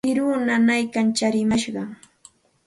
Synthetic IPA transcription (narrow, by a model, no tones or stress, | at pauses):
ɪɾunanajkant͡ʃaɾɪmaʃɢɑŋ